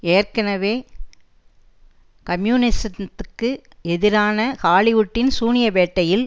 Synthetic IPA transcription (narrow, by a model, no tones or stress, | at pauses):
eːrkɐnɐʋeː | kɐmjuːnɪsɐt̪ːɯkːɯɛðɪɾaːnɐkaːɭɪʋʊʈːɪnsuːnɪjɐʋeːʈːɐjɪl